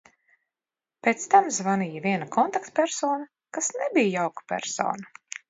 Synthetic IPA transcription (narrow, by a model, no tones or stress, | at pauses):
pʲeːt̪st̪amzvanijavʲiɛnakʰɔnt̪akt̪pʲɛɾsɔːna | kasnɛbijjawkḁpʲæ̰ɾsɔ̰ːna